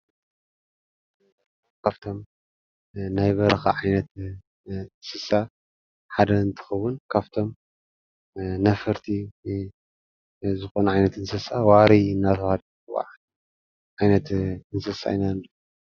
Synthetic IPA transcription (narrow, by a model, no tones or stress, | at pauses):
kʰaβt̪ʰo̞m | najβɐɾɐxa̰ʕajnɐt̪ | ɨnsɨsa | ħad̪ɐɨnt̪ʰɨ̥xɐwʊnkʰaβt̪ʰo̞m | nɐfɐɾt̪ʰi | zɨxo̞nʕajnɐt̪ɨnsɐsawaɾiɨnːat̪ʰɐwhad̪ | wa̰ʕ | ʕajnɐt̪ɨnsɐsa̰inand